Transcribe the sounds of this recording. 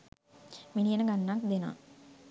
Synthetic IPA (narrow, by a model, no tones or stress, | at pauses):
minijənəɡanːakd̪ena̰